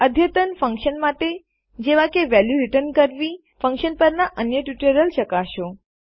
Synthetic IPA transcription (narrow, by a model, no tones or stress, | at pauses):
əd̪ʱjət̪ənfə̃ŋkʃənmaʈe | d͡ʒeʋakeʋɛljuɾɪʈəɾnkəɾʋi | fə̃ŋkʃənpəɾnaʔənjəʈjuʈəɾəlʃəkaʃõ